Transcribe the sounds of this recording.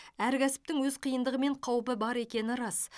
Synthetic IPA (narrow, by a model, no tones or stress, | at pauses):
æɾkʲʰæsɪ̥p̚t̪ɪŋwɵzqʰəjənd̪əʁəme̞ɴqʰɑwpəbɑɾe̞kʲe̞nɪɾɑs